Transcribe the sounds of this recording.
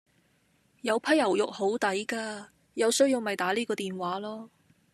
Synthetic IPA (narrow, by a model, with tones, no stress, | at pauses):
jɐ˨˧wpʰɐ˥jɐ˨˩wjʊ˨k̚ho˨˥wt̪ɐ˨˥jkaː˧ | jɐ˨˧wsɵ˥ɥjiː˧wmɐ˨jt̪aː˨˥liː˥kɔː˧t̪iː˨nwaː˨˥lɔː˥